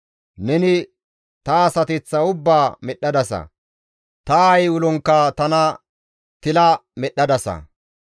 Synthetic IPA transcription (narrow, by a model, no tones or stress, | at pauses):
nɛnɪ | t̪ɐːsɐt̪ɪt͡sːɐʊbːaːmɛɗːɐd̪ɐsɐ̰ | t̪ɐːjwʊlɔŋkːaːt̪ɐnɐ | t̪ɪlɐmɛɗːɐd̪ɐsɐ̰